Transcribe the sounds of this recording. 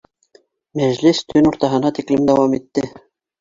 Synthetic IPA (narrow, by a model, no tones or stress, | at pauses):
mæʒlist̪ʰɵnuɾt̪ɑɦɤ̆nɑt̪iklɘmd̪ɑwɑmit̪ːɘ